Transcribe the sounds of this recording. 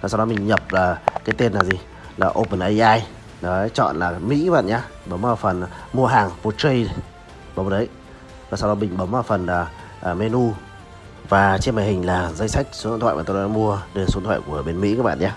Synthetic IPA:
ɔ˨sa˧wɗɔ˨˧˦mï˨˩ŋ̟ɲə˨˩p̚laː˨˩kaː˨˦jt̪e˧nːaː˨˩zi˨˩ | laː˨˩ʔo˧pə˨˩nʔə˧ʔaː˧j | nɔ˨˦˨t͡ɕɔ̰˧˨nlaː˨˩mḭ˧˥ka˦˥ɓa̰ː˧˨ɲaː˧ɓə˨˦wŋ͡maː˧˩fə˨˩nmu˧əɦaː˨˩ŋpo˧t͡ɕə˧j | ɓə˨˦wŋ͡mə˧˨nʔə˨˦j | vaː˨˩sa˧wɗɔ˨˦mï˨˩ŋ̟ɓə˨˦wŋ͡maː˧˩wfə˨˩nː˨˩ | ʔme˧nu˧ | vaː˨˩t͡ɕe˧məː˨˩hï˨˩ŋ̟laː˨˩zə˧jsa˦˥jk̟̚su̥˨˦˧nt̪ʰa̰ː˧˨ʔaː˨˩t̪o˧ɔ˨˧˦mu˧əɗə˧˩əsnt̪ʰwa̰˧˨jku˧˩əɓe˧nmḭ˧˥kaː˧˦˥k̚ɓa̰ː˧˨ɲaː˧

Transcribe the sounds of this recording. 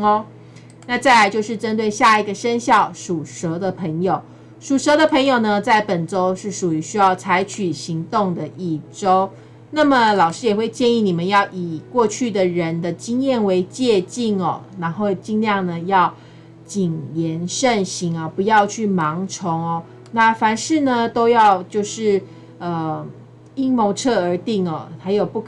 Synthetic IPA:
na˥˧t͡sa˥˩ɪla˧˥ɪt͡ɕjo˥˧ʊʂɻ̩˥˩ʈ͡ʂə˥nt̪we˥˧ɪɕja˥˩i˨˩ɡə˨ʂə˥nɕjɑ˥˩ʊʂu˨˩ʂɤ˧˥d̪ə˨pʰə˧˥ŋjo˨˩ʊ | ʂu˨˩ʂɤ˧˦˥d̪ə˧pʰə˧˥ŋjo˨˩ʊnə˨t͡sa˥˩ɪpə˨˩nʈ͡ʂo˥ʊʂɻ̩˥˩ʂu˨˩y˧˥ɕy˥jɑ˥˩ʊt͡sʰa˧˥ɪt͡ɕʰy˨˩ɕi˧˥ŋt̪ʊ˥˩ŋd̪ə˨ʔi˥˩ʈ͡ʂo˥ʊ | na˥˩mə˨˩lɑ˨˩ʊʂɻ̩˥jɛ˨˩xwe˥˧ɪt͡ɕjɛ˥˧ni˥˩ni˨˩mə˦njɑ˥˩ʊʔi˨˩kwɔ˥˧t͡ɕʰy˥˩d̪ə˩ɻə˧˦nd̪ə˧t͡ɕi˥ŋjɛ˥˩nwe˧˥ɪt͡ɕjɛ˥˧t͡ɕi˥˩ŋɔ̰˨˩na˧˥nxo˥˧ʊt͡ɕi˥˧ŋljɑ˥˩ŋnə˩jɑ˥˧ʊ | t͡ɕi˨˩ŋjɛ˧˥nʂə˥˩nɕi˧˥ŋɐ˨pu˧˦jɑ˥˧ʊt͡ɕʰy˥˩mɑ˧˥ŋʈ͡ʂʰʊ˧˥ŋɔ˨ | na˥˩fa˧˥nʂɻ̩˥˩nə˨t̪o˥ʊjɑ˥˧ʊt͡ɕjo˥˧ʊʂɻ̩˥˩ | ə˩ | i˥ŋmo˧˥ʊʈ͡ʂʰɤ˥˩ə˞˧˥t̪i˥˩ŋɔ˨˩xa˧˥ɪjo˨˩ʊpu˥˩kʰ

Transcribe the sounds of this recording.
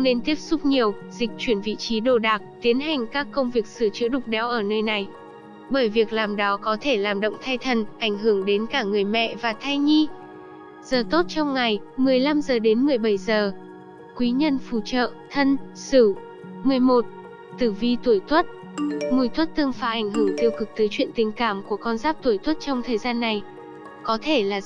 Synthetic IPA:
ŋ͡mne˧nt̪i˦˥əp̚sʊ˦˥k͡p̚ɲi˨˩əwzï˨˩k̟̚t͡ɕwi˧˩ənvḭ˧˨t͡ɕi˨˦ɗo˧˨˩ɗaː˨˩k̚t̪i˨˦ənɦa˨˩jŋ̟kaː˦˥kːə˧wŋ͡mvi˨˩ək̚sɨ˧˩ət͡ɕɨ̰˧˥əɗʊ˨˩k͡p̚ɗɛ˨˩˦wʔəː˧˩nəː˧jna˨˩j | ɓəː˧˩jvi˨˩ək̚laː˨˩mɗɔ˨˦kɔ˨˦t̪ʰe˧˩laː˨˩mɗə̰˧˨wŋ͡mt̪ʰa˧jt̪ʰə˨˩nʔa˧˩jŋ̟ɦɨ˧˩əŋɗe˨˦nkaː˧˩ŋɨ˨˩əjmɛ̰˧˨vaː˨˩t̪ʰa˧jɲi˧ | z̥əː˨˩t̪o˦˥t̚t͡ɕɔ˧wŋ͡mŋa˨˩jmɨ˨˩əjla˧mzəː˨˩ɗe˨˦nmɨ˨˩əjɓə˧˩jzəː˨˩ | kwi˨˦ɲə˧nfu˧˩t͡ɕə̰ː˧˨t̪ʰə˧nsɨ˧˩ | mɨ˨˩əjmo˨˩t̚ | t̪ɨ˨˧˩vi˧t̪u˧˩əjt̪ʰwə˦˥t̚ | ŋu˧˩jt̪ʰwə˦˥t̚t̪ɨ˧əŋfaː˨˧˦ʔa˧˩jŋ̟ɦɨ˧˩ŋt̪i˧əwkɨ˨˩k̚t̪əː˨˦jt͡ɕwḭ˧ənt̪ï˨˩ŋ̟kaː˧˩mku˧˩əkɔ˧nzaː˦˥p̚t̪u˧˩əjt̪ʰwə˦˥t̚t͡ɕɔ˧wŋ͡mt̪ʰəː˨˩jzaː˧nːa˨˩j | kɔ˨˦t̪ʰe˧˩laː˨˩

